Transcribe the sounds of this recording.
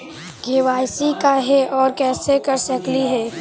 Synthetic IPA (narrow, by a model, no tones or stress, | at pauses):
ɡʱeːʋaːjsikaɦɛʔɔːɾkɛːsekɐɾsəkliɦɛː